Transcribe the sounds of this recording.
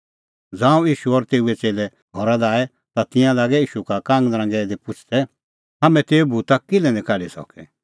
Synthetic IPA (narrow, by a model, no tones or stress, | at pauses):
d͡zãːũjiːʃuɔːɾt̪eːuɛt͡seːlɛ | ɦɔɾad̪aːɛ | t̪at̪ɪ̃jãlaːɡɛiːʃukakãːŋɡd̪ɾãːɡɛd̪ipʊt͡ʃʰt̪ɛ | ɦamɛ̃t̪eːubʱut̪akɪlɛnɛ̃kaɾisɔ̰kɛ̰